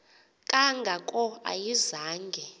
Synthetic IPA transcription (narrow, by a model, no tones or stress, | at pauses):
kʼaŋɡʱakʼɔa̰jizaːŋɡʱɛ